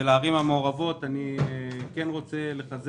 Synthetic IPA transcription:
elaːʁimhameoʁavo̞tanike̞nʁo̞t͡se̞le̞χaz

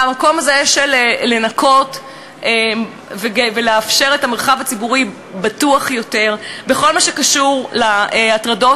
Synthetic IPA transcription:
amako̞mazeʃeleːe̞nako̞t | e | veeveleafʃe̞ʁetame̞ʁχavat͡sibuʁi | batuaχjo̞te̞ʁbeχo̞lmaʃekaʃuʁlaeatʁado̞

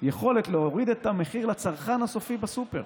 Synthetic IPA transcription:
jeχo̞let̪leoʁid̪et̪ameχiʁlat͡saʁχanhaso̞fibasupe̞̰ʁ

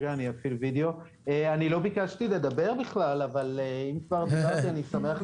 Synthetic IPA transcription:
aːniafilvid̪eo̞ | eanilo̞bikaʃt̪ile̞d̪abe̞ʁbiχlalavaleimkvaʁd̪abaʁt̪ianisame̞aχ

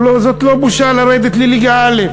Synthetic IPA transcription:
lozot̪lobuʃalaɾed̪et̪liliɡaale

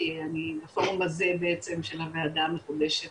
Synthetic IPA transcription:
eanibafoʁmbazebeet͡se̞mʃelhavead̪amːeχudeʃet

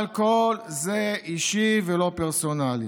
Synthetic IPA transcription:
lkolzeiʃivelo̞peʁsonali

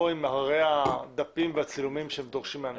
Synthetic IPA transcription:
oimaʁead̪apimveat͡silumimʃeemd̪oʁʃimean

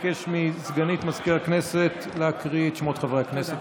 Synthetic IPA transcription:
keʃmizɡanit̪mazkiʁakne̞se̞t̪leakʁiet̪ʃmot̪χavʁeakneset

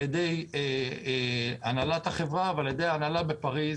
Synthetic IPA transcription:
ed̪e̞je | analat̪haχevʁavealjed̪ejaːnalabepaʁi

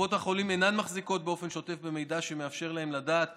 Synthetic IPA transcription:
o̞thaχo̞limenanmaχziko̞t̪̚be̞o̞fe̞nʃo̞te̞fbe̞me̞jdaʃe̞me̞afʃe̞ʁlaemladaːt̪

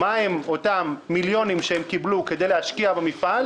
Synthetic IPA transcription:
maemo̞tamːiljo̞nimʃeemkibluked̪e̞jlehaʃkiabemifal

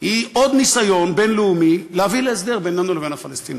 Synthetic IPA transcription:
hiʔo̞d̪nisajo̞nbe̞nleumileɦavilees̬d̪eʁbe̞nenuleve̞nafalest̪in

